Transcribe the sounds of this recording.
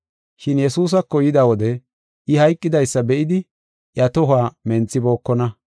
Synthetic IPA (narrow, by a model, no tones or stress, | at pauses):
ʃɪnjɛsuːs̬ɐkːɔjɪd̪awɔd̪ɛ | ʔɪhɐjkʼːɪd̪ɐjsːɐbɛʔɪd̪ɪ | ʔjɐt̪ɔɦaːmɛnt͡sːɪbo̞ːkːɔnɐ